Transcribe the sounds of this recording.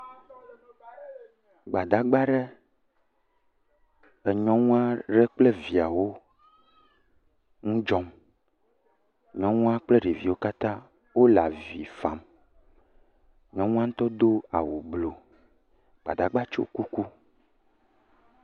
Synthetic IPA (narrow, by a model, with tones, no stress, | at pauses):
ɡ͡ba˨d̪a˨ɡ͡ba˦ɖɛ˦ | ɛ˨ɲɔ̃˦ŋũ˦a˦ɖɛ˦k͡plɛ˦vi˨a˨wo˦ | ŋũ˦d͡ʒɔ˦m | ɲɔ̃˦ŋũ˦a˦k͡plɛ˦ɖe˨vi˨wo˦ka˦t̪ã˦ | wo˦la˨vi˨fa˨m | ɲɔ̃˦ŋũ˦a˦ŋ̩̃˦t̪ɔ˦d̪o˦a̰˨wo˨blo˨ | ɡ͡ba̰˨d̪a˨ɡ͡ba˦t͡ʃo̰˦ku˦ku˦